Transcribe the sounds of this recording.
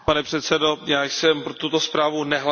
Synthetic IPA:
panɛpr̝̥ɛt̪sɛdojaːjsɛmpɾot̪ut̪ospɾaːvunɛɦl

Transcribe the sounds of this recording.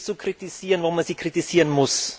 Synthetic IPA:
t͡sukʁ̥itiziːʁənvomanz̥iːkʁ̥itiziːʁənmʊs

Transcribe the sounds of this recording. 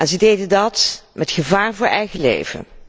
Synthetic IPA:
ʔɛnzədejdəndɑtmɛtχəvaːɹvʊːɹʔɛjχəlḛjvə̰

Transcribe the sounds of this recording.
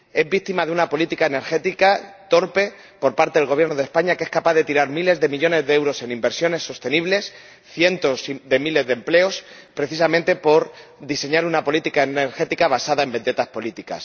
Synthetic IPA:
e̞zbit̪imaðe̞unapo̞lit̪ikaene̞ɾxe̞t̪ikat̪o̞ɾpe̞ | po̞ɾpaɾt̪eð̞eɣo̞βje̞ɾno̞ðe̞spaɲakeeskapaðe̞t̪iɾaɾmile̞zðe̞miʎo̞ne̞zðe̞ewɾo̞se̞nimbe̞ɾsjo̞ne̞sːo̞st̪e̞niβle̞s | θje̞nt̪o̞siðe̞mile̞zðe̞mple̞o̞s | pɾe̞θisamẽnt̪e̞po̞ɾd̪ise̞ɲaɾunapo̞lit̪ikaeneɾxe̞t̪ikaβ̞asaðaembe̞nd̪e̞t̪aspo̞lit̪ika̰s

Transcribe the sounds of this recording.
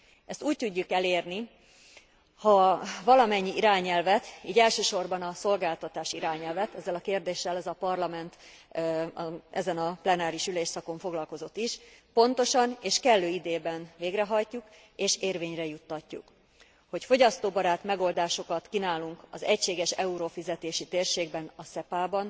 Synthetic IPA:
ɛst̪uːc̚t̪uɟːukɛleːrni | hɒvɒlɒmɛɲːiʔiɾaːɲɛlvɛt̪iːɟɛlʃøːʃo̞rbɒnɒso̞lɡaːlt̪ɒt̪aːʃiɾaːɲɛlvɛt̪ɛzːɛlɒkeːrd̪eːʃːɛlɛzɒpɒrlɒmɛnt̪ | ɛzɛnɒplɛnaːɾiʃyleːʃsɒko̞ɱfo̞ɡlɒlko̞zo̞t̪ːiʃpo̞nt̪o̞ʃɒneːʃkɛlːøːid̪eːbɛnveːɡrɛɦɒjcːuk | eːʃeːrveːɲrɛjut̪ːɒcːṵk | ho̞cfo̞ɟɒst̪oːbɒɾaːt̪mɛɡo̞ld̪aːʃo̞kɒt̪kinaːluŋkɒzɛcʃeːɡɛʃɛuɾofizɛt̪eːʃit̪eːrʃeːɡ̚bɛnɒsɛpaːbɒn

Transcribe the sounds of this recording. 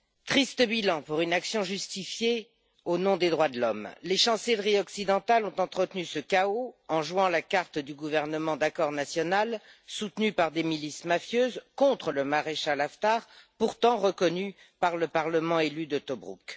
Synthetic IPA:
t̪χist̪əbilɑ̃puʁynaksjɔ̃ʒyst̪ifje | onɔ̃d̪ed̪ʁwad̪əlɔmleʃɑ̃sɛlʁiɔksid̪ɑ̃t̪alɔ̃t̪ɑ̃t̪χət̪nysəkaoɑ̃ʒwɑ̃lakaʁt̪d̪yɡuvɛʁnəmɑ̃d̪akɔʁnasjɔnalsut̪nypaʁd̪emilismafjøːzkɔ̃t̪χələmaʁeʃalaft̪aːʁpuʁt̪ɑ̃ʁəkɔny | paʁləpaʁləmɑ̃elyd̪ət̪ɔbʁṵk

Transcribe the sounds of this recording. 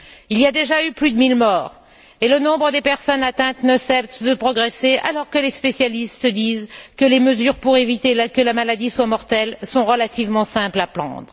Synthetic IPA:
iliad̪eʒayplyd̪əmilmɔːʁ | elənɔ̃bʁəd̪epɛʁsɔnat̪ɛ̃t̪nəsɛpt̪d̪əpχɔɡʁeseʔa̰lɔʁkəlespesjalist̪əd̪izkəleməzyʁpuʁevit̪ekəlamalad̪iswamɔʁt̪ɛlsɔ̃ʁəlat̪ivmɑ̃sɛ̃plaplɑ̰̃d̪ʁə

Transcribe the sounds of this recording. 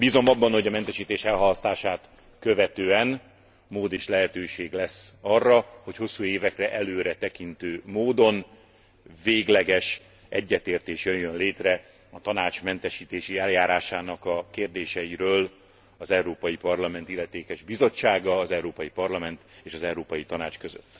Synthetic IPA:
biːzo̞mɒbːɒnho̞ɟɒmɛnt̪ɛʃiːt̪eːʃɛlɦɒlɒst̪aːʃaːt̪ | køvɛt̪øːɛn | moːd̪eːʃlɛɦɛt̪øːʃeːɡlɛsːɒrːɒho̞cho̞sːuːeːvɛkrɛʔɛløːɾɛt̪ɛkint̪øːmoːd̪o̞n | veːɡlɛɡɛʃ | ɛɟːɛt̪eːrt̪eːʃjøjːønleːt̪rɛ | ɒt̪ɒnaːt͡ʃmɛnt̪ɛʃiːt̪eːʃiɛljaːɾaːʃaːnɒkɒkeːrd̪eːʃɛiɾøːl | ɒzɛuɾoːpɒjipɒrlɒmɛnt̪ilːɛt̪eːkɛʒbizo̞t͡ʃːaːɡɒːzɛwɾoːpɒjipɒrlɒmɛnt̪eːʃɒzɛwɾoːpɒjit̪ɒnaːt͡ʃkøzøt̪ː

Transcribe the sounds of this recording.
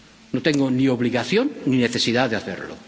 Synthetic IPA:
not̪eŋɡonioβliɣaθjõnnineθesiðaðeaθeɾlo̰

